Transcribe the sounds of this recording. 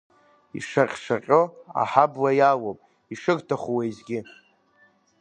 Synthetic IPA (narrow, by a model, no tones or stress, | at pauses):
ḭʂarʲʂaqʲʼʊa̰ħablajawopʼ | iʂɨɡtʰaχʷuwejzɡʲɪ